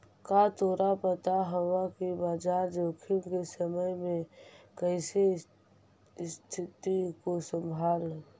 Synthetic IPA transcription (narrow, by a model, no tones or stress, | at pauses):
kat̪oːɾapət̪aɦəwakibaːd͡ʒaːɾd͡ʒoːkʰimkesəməjmẽkəɪse | st̪ʰɪt̪ikosə̃mbʱaːl